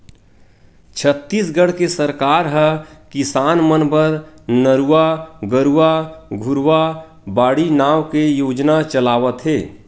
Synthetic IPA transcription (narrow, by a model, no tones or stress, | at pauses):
t͡ʃʰət̪ːisɡəɽ̤kesəɾkaːɾɦəkɪsaːnmənbəɾnəɾuaɡəɾuaɡʱʊɾwa | baːɽinaːwkejoːd͡ʒnat͡ʃəlaːʋət̪ɦeː